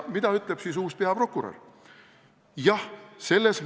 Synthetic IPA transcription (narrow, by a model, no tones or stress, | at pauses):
mid̪̥ɑyt̪ˑleb̥siːsuːspeɑpro̞kːuɾḛr | jɑhse̞lːes